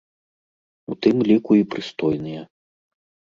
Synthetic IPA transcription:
ut̪ɨmlʲikuipɾɨst̪ɔjnɨjɛ

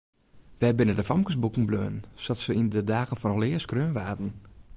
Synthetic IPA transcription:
ʋɛbɪnədəfɔmkəsbukŋ̩bløːnsɔtsəindədaːɣən̩fɔnɔlɪəskrøːnʋaːtn̩

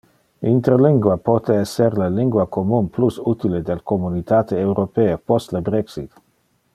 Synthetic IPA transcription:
int̪eɾliŋɡwapot̪eɛsːeɾleliŋɡwakomunplusut̪iled̪elkomunit̪aːt̪eːwɾopeːepost̪lebɾeksḭt̪

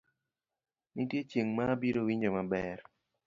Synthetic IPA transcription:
nitjet͡ʃeŋmabiɾowiɲd͡ʒomabɛɾ

